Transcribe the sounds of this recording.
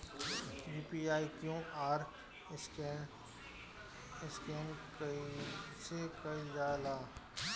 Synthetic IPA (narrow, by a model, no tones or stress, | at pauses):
jiːpiaːikjõʔaːɾ | ɪskɛːnk | sekɐid͡ʒaːlaː